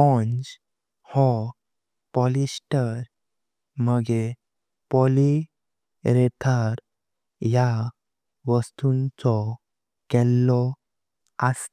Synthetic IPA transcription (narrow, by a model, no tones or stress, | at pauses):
ɔnd͡ʑ | hɔ | pɔlisʈəɾ | məɡe | pɔli | ɾɛt̪ʰaɾ | ja | ʋəst̪unt͡sɔ | kɛlːɔ | as